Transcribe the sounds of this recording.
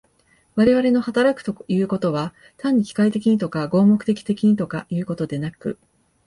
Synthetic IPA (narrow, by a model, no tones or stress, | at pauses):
βaɾe̞β̞aɾe̞no̞hat̪aɾakɯ̟̥t̪o̞jɯ̟ːko̞t̪o̞β̞a | t̪ãɲ̟ːikʲi̥kait̪e̞kʲiɲ̟it̪o̞kaɡo̞ːmo̞kɯ̟t̪e̞kʲi̥t̪e̞kʲiɲ̟it̪o̞kajɯ̟ːko̞t̪o̞d̪e̞nakɯ̟̰